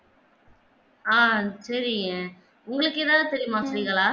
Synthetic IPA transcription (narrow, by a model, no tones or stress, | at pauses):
aːsɐɾɪŋɐ | ʊŋɡɐɭɯkːeːðaːðɯt̪ɛɾɪjʊmãːsɐɾŋɡɐɭaː